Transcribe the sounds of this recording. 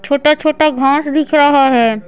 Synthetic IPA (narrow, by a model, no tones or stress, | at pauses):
t͡ʃʰoːʈat͡ʃʰoːʈaɡʱãːsd̪ɪkʰɾəɦaɦɛː